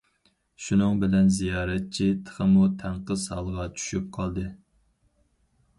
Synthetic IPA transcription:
ʃunɨŋbɪlɛnzijɑːɾɛt̪̚t͡ʃʰit̪ʰə̥χəmut̪ʰæɴqəzhɑ̰lˠʁɑt͡ʃʰy̥ʃyp̚qʰɑlˠd̪ɨ

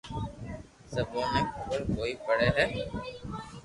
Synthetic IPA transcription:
səbõːɦẽːkʊkəlkoːiːpəɽeːɦɛː

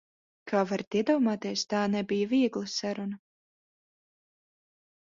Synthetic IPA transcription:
kʰaːvaɾt̪iɛd̪ɔːmaːt̪eɛst̪aːnɛbijaviɛɡlˠɨsaɾunɐ

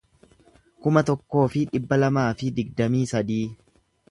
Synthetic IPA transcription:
kʊmɐt̪ɔkːo̞ːfɪᶑɪbːɐlɐmaːfɪd̪ɪɡ̚d̪ɐmiːsɐd̪iː

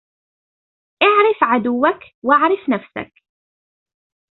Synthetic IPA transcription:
ʔaʕɾˤɪfʕad̪ʊwːak | waʕɾˤɪfnafsa̰k̚

